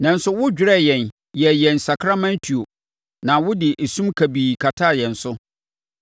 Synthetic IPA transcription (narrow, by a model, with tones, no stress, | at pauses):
nã˨n̩˦sʊ˦wʊ˦d͡ʑᶣɪ˨ɾɛ˦jɛ̃˨n | jɛ˨jɛ̃˨nsa˨kʰɾa˦mã˦ntʰi˨o˨ | nã˨wʊ˦dɪ˨ʔe˨sũ˦mkʰa˨biː˨kʰa˨tʰa˦˨jɛ̃˨n̩˨sʊ˦